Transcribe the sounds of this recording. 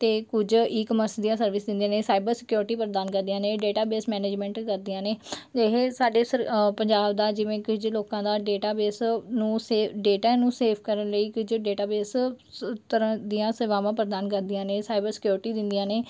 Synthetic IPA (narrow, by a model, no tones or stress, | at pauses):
t̪eːkʊd͡ʒiːkəməɾsd̪ijãːsəɾʋɪsd̪ɪ̃nd̪ĩãːneːsaːɪbəɾsɪkjoːɾʈiːpəɾd̪aːnkəɾd̪iãːneːɖeːʈaːbeːsmɛːneːd͡ʒmɛ̃ːɳʈkəɾd̪ɪjãːneːd͡ʒeɦeːsaːɖeːsəpəɲd͡ʒaːbd̪aːd͡ʒɪʋẽːkʊd͡ʒloːkãːd̪aːɖeːʈaːbeːsnũːseːɖeːʈaːnũːseːpʰkəɾənləiːkʊd͡ʒɖeːʈaːbeːs | t̪əɾãːd̪ijãːseʋãːmãːpəɾəd̪aːnkəɾd̪ijãːneːsaːɪbəɾsɪ̥kjoːɾɪʈiːd̪ɪ̃nd̪ijãːneː